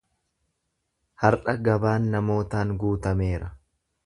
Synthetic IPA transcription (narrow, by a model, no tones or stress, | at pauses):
hɐɾᶑɐɡɐbaːnːɐmo̞ːt̪aːŋɡuːt̪ɐme̞ːɾɐ